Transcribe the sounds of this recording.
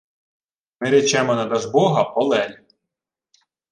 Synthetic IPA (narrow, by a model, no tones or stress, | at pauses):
mɪɾʲɛt͡ʃɛmɔnɐd̪ɐʒbɔɦɐpɔlˠɛlʲ